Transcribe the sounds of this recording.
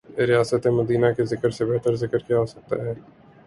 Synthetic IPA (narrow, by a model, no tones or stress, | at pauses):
ɾɪjaːsət̪emɐd̪iːnakezɪkəɾsebɛɦt̪əɾzɪkəɾkjaɦosɐk̚t̪aɦɛː